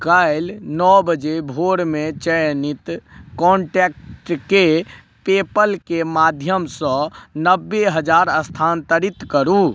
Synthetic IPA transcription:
kəɪlnɔbəd͡ʒebʱoɽmet͡ʃəjnit̪kɔɳʈekʈke | pepəlkemad̪ʱjəmsə̃nəbːeɦəd͡ʒaɾəst̪ʰant̪əɾit̪kəɾu

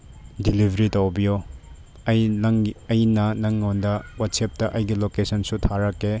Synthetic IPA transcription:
dilibʱɐɾitɐwbijo | jŋɐjnɐnɐŋːondɐwatsep̚tɐʔɐjɡilokesɐnsutʰaɾɐkːe

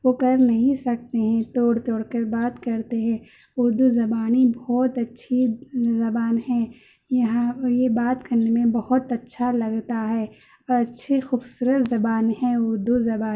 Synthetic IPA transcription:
ʋokɐɾnɐɦĩsɐk̚t̪eɦɛ̃t̪oːɽt̪oːɽkəɾbaːt̪kɐɾt̪eɦɛ̃ː | ʊɾd̪uzɐbaːnibɔːt̪ɐtːʃʰizɐbaːnɦɛ̃ | jɐɦãjebaːt̪kɐɾnemẽbɐhʊt̪ɐtːʃʰalɐɡt̪aɦɛː | ɔɐtːʃʰexuːbsuːɾət̪zɐbaːnɦɛ̃ʊɾd̪uzɐbaː

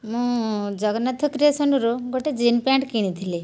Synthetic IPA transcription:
mũd͡ʒəɡnat̪ʰəkɾesəɳɖuɾoɡoʈed͡ʒinpaɳʈkiɽ̃ĩt̪ʰili

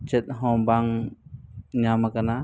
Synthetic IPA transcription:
t͡ʃɛt̪̚ɦɔ̃baŋ | ɲamakana

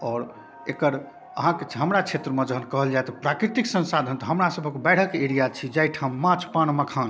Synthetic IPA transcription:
ɔːɾ | ekəɾ | ə̰ɦãkeɦəmɾat͡ʃʰet̪ɾəmẽd͡ʒəɦənkəɦəld͡ʒajt̪ɔpɾakɾit̪iksə̃nsad̪ʱənt̪ɔɦəmɾasəbʱəkebɛɽ̤əkeeɾijat͡ʃʰid͡ʒajʈʰamːãt͡ʃpañməkʰãn

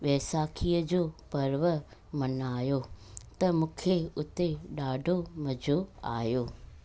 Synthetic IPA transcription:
ʋɛːsaːkʰijəd͡ʑoːpɐɾʋəmɐnaːjot̪ɐmũːkʰeʊt̪eɗaːɖʱomɐd͡ʑʱoa̰ːjoː

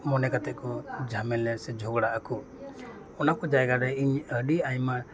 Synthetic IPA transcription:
mɔnɛkat̪ɛʔkɔd͡ʒʱamɛlɛsɛd͡ʒʱɔɡɽaʔaku | ɔnakɔd͡ʒajɡaɾɛiɲəɖiajma

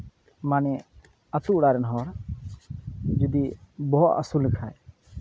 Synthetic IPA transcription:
manɛ | ət̪uʔɽaɾɛnɦɔɾ | d͡ʒud̪ibɔɦɔʔ̪a̰sulːɛkʰaj

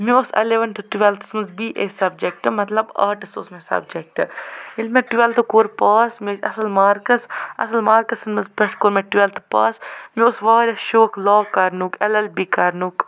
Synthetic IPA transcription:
mioːsɐ̰leʋɐnʈɨʈuʋelt̪ɨ̥smɐzbiːʔeːsɐb̚d͡ʒek̚ʈɨmɐt̪lɐba̰ːʈɐso̰ːsmesɐ̰bd͡ʒek̚ʈɨilmeʈuʋelt̪ɨkoːɾpaːsmesɐ̰sɐlmaːɾkɐsɐ̰sɐlmaːɾkɐsɐnmɐzbɐʈkoːɾmeʈuelt̪ɨ̥paːsmioːsʋaːɾʲaʃoːklaːkɐɾnukɐlɐlbikɐɾnuːk

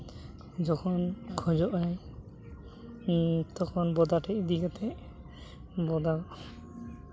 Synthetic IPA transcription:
d͡ʒɔkʰɔnkʰɔd͡ʒɔʔaj | t̪ɔkʰɔnbɔd̪aʈɛʔd̪iɡɔt̪ʰɛ | bɔd̪a

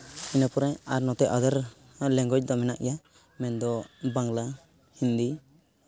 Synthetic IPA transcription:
inapɔɾɛaɾnɔt̪ɛʔʔad̪aɾ | lɛŋɡɔc̚d̪ɔmɛnaʔja | mɛnd̪ɔbaŋla | hind̪i

